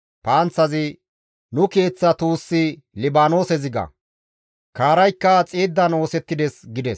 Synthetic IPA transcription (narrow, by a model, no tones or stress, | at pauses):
paːnt͡sːɐzɪ | nʊke̞ːt͡sːɐt̪uːsːɪ | lɪbaːno̞ːsɛzɪɡɐ̰ | kaːɾɐjkːɐt͡sʼeːd̪ːɐno̞ːsɛt̪ːɪd̪ɛsɡɪd̪ɛs